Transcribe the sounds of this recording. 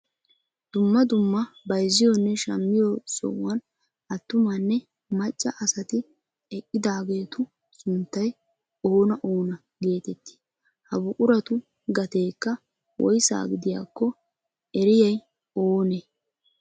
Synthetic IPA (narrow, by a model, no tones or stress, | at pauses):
d̪̥ʊmːɐd̪ʊmːɐbɐjzːɪjonːɛʃɐ̰mːɪjosɔ̰wwɐn | ɐt̪ːʊmɐnːɛ | mɐt͡ʃʼːɐʔɐsɐt̪ɪ | ɛkʼːɪd̪aːɡe̞ːt̪ʊ | sʊnt̪ːɐj | oːnɐʔoːnɐ | ɡe̞ːt̪ɛt̪ːɪ̥ | hɐbʊkʼʊɾɐt̪ʊ | ɡɐt̪e̞ːkːɐ | wɔ̰jsa̰ːɡɪd̪ɪja̰ːkːɔ | ɛɾɪjɐj | oːneː